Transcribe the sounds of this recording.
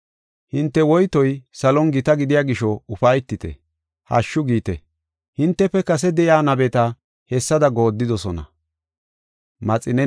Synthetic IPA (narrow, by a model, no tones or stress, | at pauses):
hɪnt̪ːɛwɔjt̪ɔjsɐlɔnɡɪt̪ɐɡɪd̪ɪjaːɡɪʃɔʊfɐjt̪ːɪt̪ɛ̰ | hɐ̰ʃːʊɡiːt̪ɛ̰ | hɪnt̪ːɛpːɛkɐs̬ɛd̪ɛjaːnɐbɛt̪ɐ | hɛsːɐd̪ɐɡo̞ːd̪ːɪd̪ɔsɔnɐ̰ | mɐt͡sʼɪnɛ